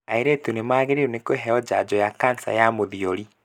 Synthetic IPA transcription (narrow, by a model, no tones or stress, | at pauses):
aeɾetunemaːɣeɾeɾunekoeɦɛɔd͡ʑa̰d͡ʑɔjakansa̰jamoðiɔɾi